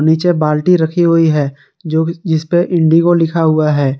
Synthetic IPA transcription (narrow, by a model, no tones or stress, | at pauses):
niːt͡ʃebaːlʈiɾɐkʰiɦʊiɦɛː | d͡ʒɪspeʔɪ̃ɳɖikolɪkʰaɦʊaɦɛː